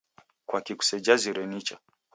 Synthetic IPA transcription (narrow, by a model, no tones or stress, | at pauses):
kwakiku̥sɛd͡ʒaziɾɛnit͡ʃa